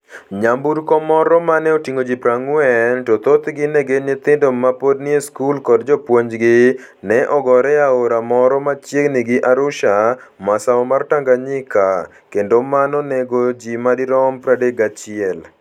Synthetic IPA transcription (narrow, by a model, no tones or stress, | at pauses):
ɲambuɾkɔmɔɾɔmanɛɔtiŋɡod͡ʒipɾaŋʊɛntot̪ot̪ɡɪnɛɡenɪt̪ɪndomapodnieskulkɔdd͡ʒɔpwoɲd͡ʒɡɪ | nɛʔɔɡɔɾɛaoɾamɔɾɔmat͡ʃjeɡnɪɡɪʔaɾʊʃamasaɔmartaŋɡaɲɪka | kendomanɔnɛɡod͡ʒimadiɾɔmpɾadeɡat͡ʃɪɛl